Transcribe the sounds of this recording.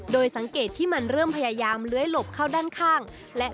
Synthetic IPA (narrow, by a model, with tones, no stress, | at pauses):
doː˧jsa˩˦ŋkeː˨˩t̪ʰːiː˥˩ma˧nɾɤː˥˩mpʰa˧jaː˧jaː˧mlɯ˦˥əjlo˨˩p̚kʰaː˥˩wdaː˥˩nkʰaː˥˩ŋ | lɛ˦˥